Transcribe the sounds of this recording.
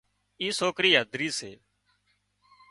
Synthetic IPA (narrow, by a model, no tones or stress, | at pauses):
iːsoːkɾiːɦəd̪ʱɾiːsḛː